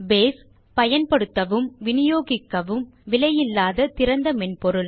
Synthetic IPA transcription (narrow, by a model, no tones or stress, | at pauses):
beːs | pɐjɐnpɐɽɯt̪ːɐʋɯmʋɪnɪjoːɣɪkːɐʋɯmʋɪlɐjɪlːaːðɐt̪ɪɾɐnd̪ɐmɛnpɔɾɯl